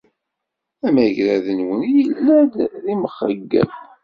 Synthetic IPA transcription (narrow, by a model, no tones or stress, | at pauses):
æmæʝɾæðənwənijəlːæd̪ðiməχːə̰ɡːə̰m